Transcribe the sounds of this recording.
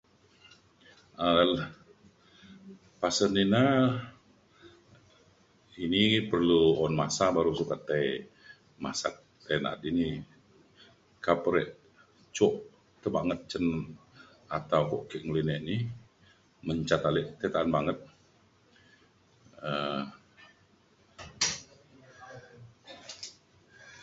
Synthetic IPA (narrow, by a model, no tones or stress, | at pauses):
əl | pasənina | inipərluɔnmasabaɾusukat̪ːaj | ma̰sa̰k̚ | t̪ːena̰t̪ini | kapəɾɛʔ | t͡ʃɔʔ | t̪əbaŋət̪̚t͡ʃən | at̪awkɔ̰ʔkɛʔŋlinɛʔni | məɲt͡ʃat̪alɛʔt̪et̪aanbaŋət̪̚ | ə